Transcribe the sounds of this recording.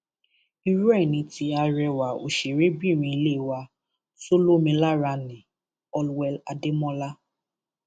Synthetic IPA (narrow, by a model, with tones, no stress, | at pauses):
i˦ɾu˦ɛ˦˨ni˨ti˨a˨ɾɛ˨wa˨o̰˨ʃe˨ɾe˦bi˦˨ɾi˨˦le˦˨wa˦ | so˦lo˦mi˨la˦ɾa˦nɪ˨ | ɔ˦lwɛ˦la̰˨dɪ˦mɔ˦la˦